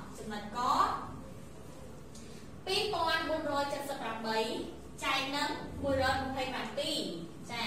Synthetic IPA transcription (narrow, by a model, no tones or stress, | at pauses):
t͡ɕumnət̪̚kɑːt̪̚ | piːpŏənɓuənrɔːjt͡ɕət̪̚səpːramɓəj | t͡ɕaɛŋ̚nɨŋɓuəjrɔːjmə̆pʰəjprampiː | t͡ɕa